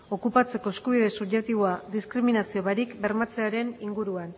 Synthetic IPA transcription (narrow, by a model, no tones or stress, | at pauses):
o̞kupat͡se̞ko̞eskuβ̞iðe̞suβʝek̚t̪iβoad̪iskɾiminasio̞βaɾikbe̞ɾmat͡se̞aɾe̞niŋɡuɾuan